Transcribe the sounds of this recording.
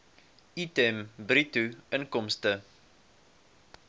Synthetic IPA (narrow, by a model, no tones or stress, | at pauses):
itɛmbɾituəŋkɔmstə